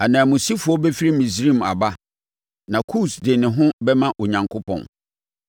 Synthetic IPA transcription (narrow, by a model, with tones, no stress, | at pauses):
a˨nãː˨mʊ̃˨si˦fʊ˨ɔ˦bɛ˦fi˦ɾi˦mĩ˨s̬ɾĩ˦˨ma̰˨ba˦ | nã˨kʰu˦˨sdɪ˨nɪ̃˨ɦʊ̃˦bɛ˦mã˦ʔo˨ɲã˨ŋkʰʊ˦pʰɔ̰̃˨n